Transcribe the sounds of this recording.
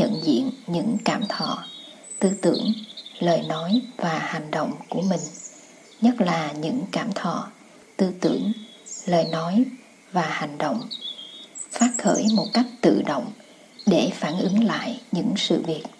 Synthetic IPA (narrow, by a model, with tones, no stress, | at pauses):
ə̰˧˨nzḭ˧˨ənɲɨ̰˧˥ŋkaː˧˩mt̪ʰɔ̰˧˨ | t̪ɨ˧t̪ɨ˧˩əŋləː˨˩jnɔ˨˦jvaː˨˩ha˨˩jŋ̟ɗə̰˧˨wŋ͡mku˧˩əmï˨˩ŋ̟ | ɲə˦˥t̚laː˨˩ɲɨ̰˧˥ŋkaː˧˩mt̪ʰɔ̰˧˨ | t̪ɨ˧t̪ɨ˧˩əŋ | ləː˨˩jnɔ˨˦j | vaː˨˩ha˨˩jŋ̟ɗo̰˧˨wŋ͡m | faː˦˥t̚xəː˧˩jmo˨˩t̚ka˦˥jk̟̚t̪ɨ̰˧˨ɗo̰˧˨wŋ͡m | ɗe˧˩faː˧˩nʔɨ˨˦ŋla̰ː˧˨jɲɨ̰˧˥ŋsɨ̰˧˨vi˨˩ət̚